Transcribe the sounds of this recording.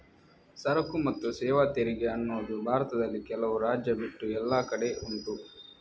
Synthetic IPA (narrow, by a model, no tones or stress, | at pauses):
sɐɾɐkumɐt̪ːusɛːʋaːt̪eɾiɡeɐnːoːd̪ubʱaːɾɐt̪ɐd̪ɐlːikɛlɐʋuɾaːd͡ʒjɐbiʈːuɛlːaːkɐɽe̞uɳʈ̪u